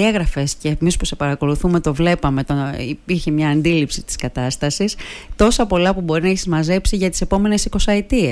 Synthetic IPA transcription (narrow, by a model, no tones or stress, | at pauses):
eɣɾɐfe̞sceːmispuse̞pɐɾɐko̞luθume̞t̪o̞vle̞pɐme̞t̪oipiɾçemɲɐːnd̪ilipsit̪i̥skɐt̪ɐst̪ɐsist̪o̞sɐpo̞lɐpubo̞ɾinɐeçizmɐze̞psiʝɐt̪i̥se̞po̞me̞ne̞siko̞sɐet̪ie